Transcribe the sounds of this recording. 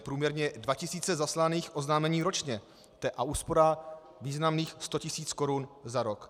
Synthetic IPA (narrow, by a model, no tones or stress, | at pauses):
pɾuːmɲɛɾɲɛdvacɪsiːt͡sɛzaslaniːxʔo̞znaːmɛɲiːɾo̞t͡ʃɲɛ | t̪ɛʔauːspo̞ɾa | viːznamniːxst̪o̞cɪsiːt͡sko̞ɾunzaɾok